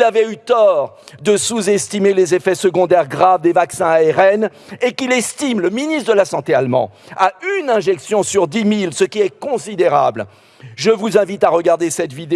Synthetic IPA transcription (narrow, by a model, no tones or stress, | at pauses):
lavɛyt̪ɔʁ | d̪əsuzɛst̪imelezefɛsəɡɔ̃d̪ɛʁɡʁavd̪evaksɛ̃aɛʁɛnekilɛst̪imləminist̪d̪əlasɑ̃t̪ealmɑ̰̃aynɛ̃ʒɛksjɔ̃syʁd̪imilsəkʲiɛkɔ̃sid̪eʁa̰bl | ʒəvuzɛ̃vit̪aʁəɡaʁd̪esɛt̪vid̪e